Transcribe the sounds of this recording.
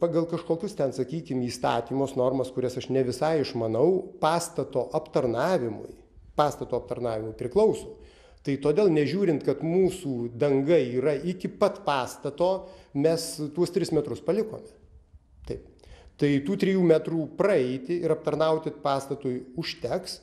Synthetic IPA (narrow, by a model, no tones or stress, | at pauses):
pɑɡɐlˠkɐʃkoːkʲʊst̪ʲɛnsɐkʲiːkʲɪmiːst̪ɑ̰ːt̪ʲiːmoːsnoːrmɐskʊɾʲɛsɐʃnʲɛʋʲɪsɐɪɪʃmɐnɐʊpɑːst̪ɐt̪oːʔɐpt̪ɐrnɑːʋʲɪmʊ̰j | pɑːst̪ɐt̪oːɐp̚t̪ɐɾnɑːʋʲɪmʊɪpʲɾʲɪklˠɐʊsoː | t̪ɐɪt̪oːd̪ʲeːlˠnʲɛʒʲuːɾʲɪnt̪kɐt̪muːsuːd̪ɐŋɡɐiːɾɐɪkʲɪpɐt̪pɑːst̪ɐt̪oːmʲɛst̪uɔst̪ʲɾʲɪsmʲɛt̪ɾʊspɐlʲɪko̰ːmʲɛ | t̪ɐɪpt̪ɐɪt̪uːt̪ʲɾʲɪjuːmʲæt̪ɾuːprɐɛɪt̪ʲɪɪɾɐp̚t̪ɐɾnɐʊt̪ʲɪpɑːst̪ɐt̪ujʊʃʲt̪ʲɛks